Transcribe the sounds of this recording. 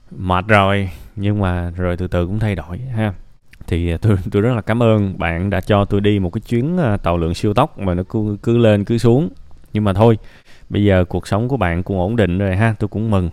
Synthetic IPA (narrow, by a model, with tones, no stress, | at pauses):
ma˨˩t̚zo˨˩jɲɨ˧ŋmaː˨˩zo˨˩jt̪ɨ̰˨˩t̪ɨ˨˩kʊ̰˧˥ŋ͡mt̪ʰa˧jɗo˧˨jɦaː˧ | t̪ʰi˨˩t̪o˧jt̪o˧jzə˦˥t̚laː˨˩kaː˨˦mʔəː˧nɓa̰ː˧˨nɗa̰ː˧˥t͡ɕɔ˧t̪o˧jɗi˧mo˨˩t̚kaː˨˦t͡ɕwi˨˦ənː˧t̪aː˧˨˩wlɨ̰˧˨əŋsi˧əwt̪ə˦˥wk͡p̚maː˨˩nɔ˨˦kkɨ˨˦le˧nkɨ˨˦su˨˦əŋɲɨ˧ŋmaː˨˩t̪ʰo˧j | ɓə˧jzəː˨˩ku˨˩ək̚sə˨˦wŋ͡mku˧˩əɓa̰ː˧˨nkʊ̰˧˥ŋ͡mʔo˧˩nɗḭ̈˧˨ŋ̟zo˨˩jɦaː˧t̪o˧jkʊ̰˧˥ŋ͡mmɨ˨˩ŋ